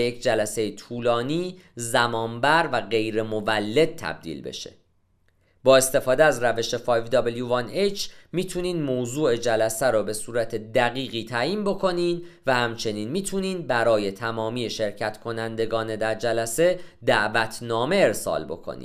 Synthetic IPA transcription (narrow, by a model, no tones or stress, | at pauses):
jecʰd͡ʒælæse̞jet̪ʰuːlɒːniːzæmɒːnbæɾvæɣe̞jɾe̞movælːe̞d̪̥̚t̪ʰːæ̰b̚d̪ḭːlbe̞̰ʃḛ | b̥ɒːe̞st̪e̞fɒːd̪eæzɾæve̞ʃe̞fɒːjvd̪ɒbeljuvɑnet͡ʃʰmiːt̪ʰuniːnmoːzuːe̞d͡ʒælæsæɾɔːbe̞suːɾæt̪ʰe̞d̪æɣiːɣiːt̪ʰæjiːnbo̞kʰo̞niːnvæhæmt͡ʃʰe̞niːnmiːt̪ʰuniːnbæɾɒːje̞t̪ʰæmɒːmiːeʃe̞ɾcʰæt̪ʰkʰo̞nænd̪e̞ɡɒːne̞d̪æɾd͡ʒælæse̞d̪æʔvæt̪ʰnɒːme̞e̞ɾsɒ̰ːlbo̞̰kʰo̰nḭ̥